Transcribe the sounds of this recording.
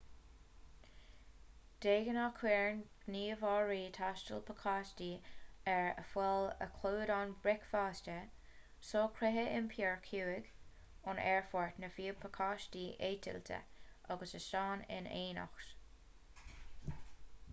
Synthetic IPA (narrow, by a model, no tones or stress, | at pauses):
d̪̥eːɡənakʰwɛːɹnɡ̥niːvɑːɹiːt̪ʰaʃtəlpʰəkʰaːstiːɛɹə̰fwɛlə̰kʰluːɾɑnbɹɛkfaːstə | soːkʰɾɛɦəʔɪnpʰɛːɹkʰuːɪɡ | ʊnɛɹfɔɹtnəfiːəpʰəkʰaːʃtiːʔeːt̪ʰɪ̰lt̪ʰə̰ʔaɡəsəʃɑːnɪ̰neːna̰xt